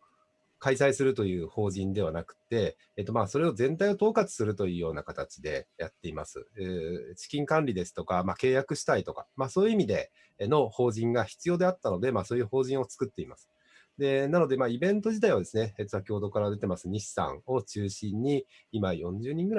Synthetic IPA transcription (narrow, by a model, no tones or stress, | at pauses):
kaisaisɨɾɯ̟t̪o̞jɯ̟ːho̞ːʑĩnd̪e̞β̞anakɯ̟̥t̪ːe̞ː | t̪ːo̞maːso̞ɾe̞o̞zẽ̞nt̪aio̞t̪o̞ːkat͡sɨ̥sɨɾɯ̟t̪o̞jɯ̟ːjo̞ːnakat̪at͡ɕid̪e̞jat̪ːe̞imasɨ̰ | t͡ɕi̥kʲĩŋkãnɾʲid̪e̞sɨ̥t̪o̞kamake̞ːjakɯ̟ɕi̥t̪ait̪okamaːso̞ːjɯ̟imʲid̪e̞ | no̞ho̞ːʑĩŋɡaçi̥t͡sɨjo̞ːd̪e̞at̪ːano̞d̪e̞maso̞ːjɯ̟ho̞ːʑĩɰ̃o̞t͡sɨ̥kɯt̪ːe̞imasɨ̥ | d̪e̞nano̞d̪e̞maːibẽ̞nt̪̬o̞ʑit̪aiβad̪e̞sɨne̞ett͡sɨβakʲoho̞d̪o̞kaɾad̪e̞t̪e̞masɨɲ̟iɕi̥sã̰ŋo̞t͡ɕɨːɕĩɲ̟ːi | imajõ̞ɲ̟d͡ʑɨːɲ̟ĩŋɡɯ̟ɾa